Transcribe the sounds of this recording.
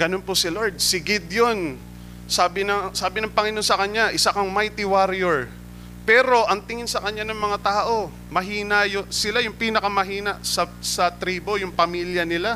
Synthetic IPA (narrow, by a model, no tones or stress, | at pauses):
ɡ̥ɐnonposɪloɹd̪̚sɪɡɪd̪jon | saːbɪnɐŋsaːbɪnɐŋpɐŋɪnonsɐkɐɲːaʔɪsakɐŋmajt̪ɪwaɾɪjɛɹ | pɛːɾo̞ʔɐŋt̪ɪŋɪnsɐkɐɲːanɐŋmɐŋat̪aːʔo̞ | mɐɦiːnɐjosɪlajʊŋpiːnɐkɐmɐɦiːnɐsɐsɐt̪ɾiːbo̞jʊŋpɐmiljɐnɪla